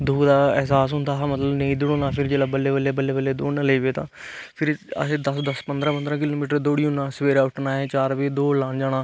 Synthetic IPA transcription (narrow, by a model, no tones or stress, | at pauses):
d̪uːd̪aːɛɦsaːs̬ɦʊ̃nd̪aːɦamət̪ləbnəĩːd̪ʊɽõːnaːpʰɪɾd͡ʒeːlaːbəlːeːbəlːeːbəlːeːbəlːeːd̪oːnəleːʋeːt̪ãːpʰɪɾə̰seːd̪əsd̪əspənd̪ɾãːpənd̪ɾãːkɪloːmiːʈəɾd̪oːɽiːʊnaːsəʋeːɾaːʊʈnaːɛ̃ːt͡ʃaːɾʋeːd̪oːlãːnd͡ʒaːnaː